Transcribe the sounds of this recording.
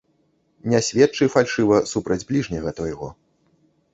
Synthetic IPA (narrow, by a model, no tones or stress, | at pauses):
nʲasʲvʲɛt̪t͡ʂɨfalʲʂɨvɐsupɾɐd͡zʲblʲiʐnʲɐɣɐt̪vajɣɔ